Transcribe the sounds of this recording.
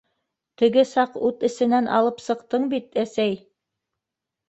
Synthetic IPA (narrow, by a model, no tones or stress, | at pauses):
t̪ɘ̆ɡɘsɑqʉt̪ɘ̆sɘ̆nænʔɑ̰lˠɤpsɤ̆qt̪ɤɴbit̪æsæj